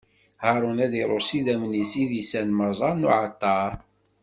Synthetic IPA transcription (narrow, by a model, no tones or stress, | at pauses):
hɑɾˤʊnæðiɾˤoɾsiðæmnisiðisænməzˤɑɾnuʕat̪ːɑɾˤ